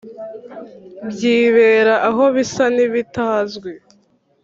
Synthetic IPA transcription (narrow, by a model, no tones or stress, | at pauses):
bjiːβe̞ːɾaʔaɦo̞βisaniβitazɡwe